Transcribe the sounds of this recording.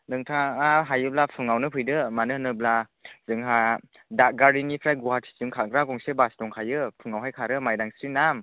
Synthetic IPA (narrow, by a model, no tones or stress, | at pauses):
nɯŋtʰaaɦajɯblapʰɯŋawnɯpʰɯjdɯmanɯnɯbla | zɯŋɦa | daɡaɾinipʰɾajɡuhat̚ʰi̥t͡ʃɯŋkʰaɡɾaɡɔŋsebasdɔŋkʰajɯpʰɯŋawɦajkʰaɾɯmajdaŋsɾinam